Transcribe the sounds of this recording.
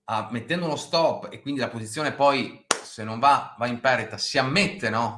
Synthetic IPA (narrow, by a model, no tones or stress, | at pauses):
amːet̪ːɛnd̪ounost̪ɔpːḛkːwind̪ilapozit̪sːjoːnepɔjsenːoɱvavaimpɛrit̪asiamːet̪ːenɔ